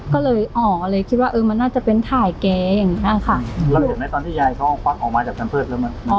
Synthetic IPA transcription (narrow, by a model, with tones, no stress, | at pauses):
kɔː˥˩lɤː˧jʔɔː˨˩lɤː˧jkʰi˦t̪̚waː˥˩ʔɤː˧ma˧nːaː˥˩t͡ɕa˨˩pe˧nt̪ʰaː˨˩jkɛː˧ja˨˩ŋːi˦˥˨kʰa˥˩la˧w̪ɯ˨˩na˦˥jt̪ɔː˧nt̪ʰiː˥˩ja˧˩jkʰa˦˥wʔpa˧˥˩ŋʔɔː˨˩k̚maː˧t͡ɕaː˨˩k̚t̪ʰa˧mpʰɤː˥˩t̪̚lːma˧˥˨nʔɔː˨˩